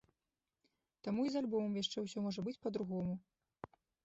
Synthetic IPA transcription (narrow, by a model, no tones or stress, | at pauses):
t̪amuizalʲbɔmɐmjaʂt͡ʂɛwsʲɔmɔʐɐbɨt͡sʲpɐd̪ɾuɣɔmu